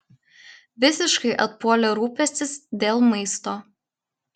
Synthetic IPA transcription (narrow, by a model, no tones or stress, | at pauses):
ʋʲɪsʲɪʃkɐɪʔɐt̪̚puɔlʲɛɾuːpʲɛsʲt̪ʲɪsd̪ʲeːlˠmɐɪst̪oː